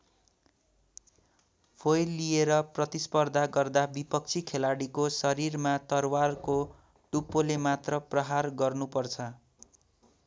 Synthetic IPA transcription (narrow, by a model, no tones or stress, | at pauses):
pʰojlːijeɾʌprʌt̪ispʌrd̪ʱaɡʌrd̪abipʌk̚t͡sʰikʰelaɽikosʌɾirmat̪ʌrwarko | ʈupːolemat̪rʌprʌɦarɡʌrnupʌrt͡sʰʌ